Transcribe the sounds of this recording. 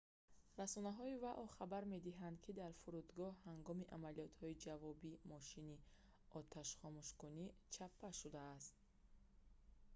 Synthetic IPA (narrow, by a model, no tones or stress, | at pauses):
ɾasɔnaɦɔivaʔɔχabaɾme̞d̪iɦand̪̚kʰid̪aɾfuɾud̪ɡɔhhaŋɡɔmiʔamaliɔt̪hɔid͡ʒavɔbimɔʃini | ɔt̪ʰaʃχɔmuʃkunit͡ʃʰapʰːaʃud̪aːst̪̚